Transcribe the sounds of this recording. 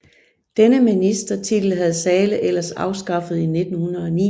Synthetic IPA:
d̥enəminisd̥ɐt͡sʰid̥l̩ɦæð̞ˠsɛːləʔel̰ɐsɑ̈ʊsɡ̥ɑ̈fəð̞̩ˠine̝d̥n̩hunɐð̞̩ˠɒ̽nḭ

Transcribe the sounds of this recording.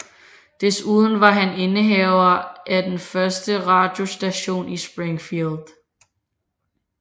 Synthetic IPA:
d̥esuːð̞ˠn̩ʋɑ̈ɦæne̝nəɦɛʊɐʔæd̥enfɶɐsd̥əʁɑ̈ːd̥jo̝sd̥æɕo̝̰ːnisb̥ʁeŋfild̥

